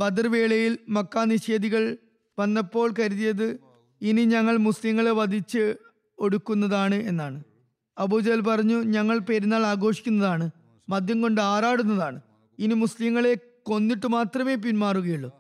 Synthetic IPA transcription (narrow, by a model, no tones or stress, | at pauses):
bɐd̪ɐrʋe̞ːɭɐjilmɐkːaːniɕe̞ːd̪iɣɐɭ | ʋɐnːɐpːo̞ːɭkɐɾuðijɐðɨ | iniɲɐŋːɐɭmuslimŋːɐɭeʋɐd̪ʱit͡ɕːɨ | o̞ɽukːunːɐðaːɳɨe̞nːaːɳɨ | ɐbuːd͡ʑɐlpɐrɐɲːuɲɐŋːɐɭpeɾunːaːɭaːɡo̞ːʂi̥kʲːunːɐðaːɳɨ | mɐd̪ʱjɐmko̞ɳɖɨaːɾaːɽunːɐðaːɳɨ | inimuslimːɐɭe̞ | ko̞nːiʈːɨmaːt̪rɐme̞ːp̬inmaːruɣɐjuɭːu